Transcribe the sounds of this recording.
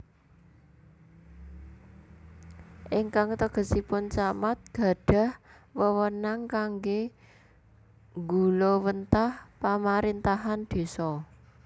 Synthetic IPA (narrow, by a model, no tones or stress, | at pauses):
ʔɪŋkaŋt̪əɡ̥ə̤sipʊnt͡ʃamat̪̚ɡ̥ä̤ɖ̥a̤h | wəwənaŋkaŋɡe | ŋɡulowənt̪ahpamaɾint̪aɦand̪̥i̤sɔ